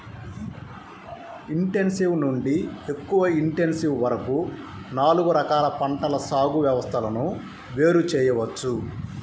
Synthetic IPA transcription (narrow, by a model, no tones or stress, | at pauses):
iɳʈe̞nsiʋnuɳɖie̞kːuʋɐiɳʈe̞nsiʋʋɐɾɐku | naːluɡuɾɐkaːlɐpɐɳʈɐlɐsaːɡuʋjɐʋɐst̪ʰɐlɐnu | ʋe̞ːɾut͡ʃɛːjɐʋɐt͡ʃːu